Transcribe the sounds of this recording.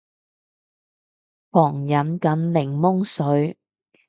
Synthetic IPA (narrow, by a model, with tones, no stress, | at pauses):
pɔː˨˩ŋjɐ˨˥nkɐ˨˥nlɪ˨˩ŋmʊ˥ŋsɵ˨˥ɥ